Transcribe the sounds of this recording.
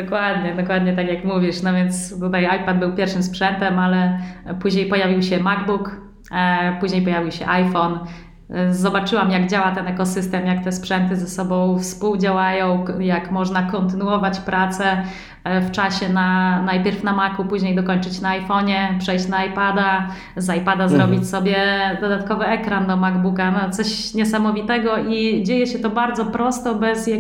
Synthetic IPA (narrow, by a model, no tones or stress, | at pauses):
d̪ɔkwad̪ɲɛd̪ɔkwad̪ɲɛt̪akʲjakmuvʲiʂnɔvʲjɛnt̪st̪ut̪ajajpad̪̚bɘwpʲjɛɾfʂɘmspʂɛnt̪ɛmalɛpuʑɲejpɔjavʲiwɕɛmaɡbuk | puʑɲejpɔjavʲiwɕɛ̰ʔajfɔn | zɔbat͡ʂɘwamjaɡd͡ʑawat̪ɛnɛkɔsɘst̪ɛmjak̚t̪ɛspʂɛnt̪ɘzɛsɔbɔ̃w̃fspuwd͡ʑawajɔ̃w̃jakmɔʐnakɔnt̪ɘnuɔvat͡ɕpɾʔat̪sɛ | ft͡ʂaɕɛnanajpʲjɛɾfnamakupuʑɲejd̪ɔkɔɲt͡ʂɘt͡ɕnaːjfɔɲɛpʂɛjɕt͡ɕnaːjpad̪a | zajpad̪azɾɔbʲit͡ɕʲsɔbʲjɛd̪ɔd̪at̪kɔvɘɛkɾand̪ɔmaɡbukanɔt̪sɔɕ | ɲɛsamɔvʲit̪ɛɡɔʔid͡ʑejɛɕɛt̪ɔbaɾd̪zɔpɾɔst̪ɔbɛzja